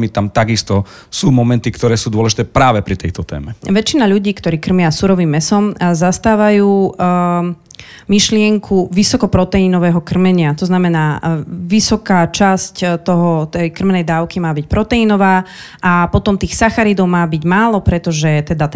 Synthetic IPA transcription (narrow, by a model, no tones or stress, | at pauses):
mit̪amt̪aɡist̪ɔ | suːmɔmɛnt̪ikt̪ɔɾɛːsuːd̪ʊɔlɛʒit̪ɛːpɾaːʋɛpɾit̪ɛjt̪ɔt̪ɛ̰ːmɛʋɛt͡ʃinaʎuɟiːkt̪ɔɾiːkr̩mɪasuɾɔʋimːɛsɔmzast̪aːʋajuː | miʃlɪɛŋkʰuʋisɔkɔpɾɔt̪ɛinɔʋɛːɦɔkr̩mɛɲɪat̪ɔznamɛnaːʋisɔkaːt͡ʃasct̪ɔɦɔt̪ɛjkr̩mɛnɛjd̪aːʊkimaːbic̚pɾɔt̪ɛinɔʋaː | ʔapɔt̪ɔmt̪iːxsaxaɾid̪ɔʊmaːbiɟmaːlɔpɾɛt̪ɔʒɛt̪ɛd̪a